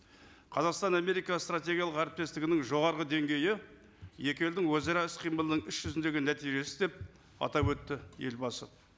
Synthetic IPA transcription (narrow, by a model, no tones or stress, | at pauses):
qʰɑzɑqst̪ɑname̞ɾijkɑst̪ɾat̪ʲe̞ɡʲijɑlˠəqæɾɪp̚t̪e̞st̪ɪɡʲɪnɪŋʒo̞ʁɑɾʁəd̪e̞ŋɡʲe̞jɪ | je̞kʲe̞ld̪ɪŋwɵzɑɾɑɪsqʰijməlˠənəɴʏʃʒ̥ʏzɪnd̪e̞ɡʲɪnæt̪ijʒe̞sɪ̥zd̪e̞p̚ | ɑ̰t̪ɑpwɵt̪ːɪje̞̰lbɑsə